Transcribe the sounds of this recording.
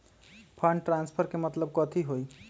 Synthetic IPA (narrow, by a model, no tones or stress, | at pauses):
pʰaɳɖʈɾãnspʰəɾkemət̪ləb̚kɔt̪ʰiɦoi